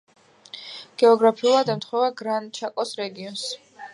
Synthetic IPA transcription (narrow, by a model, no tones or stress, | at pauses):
ɡ̥ɛɔɡɾapʰiulˠad̪ɛmt̪ʰχwɛvaɡɾant͡ʃʰakʼɔsɾɛɡiɔns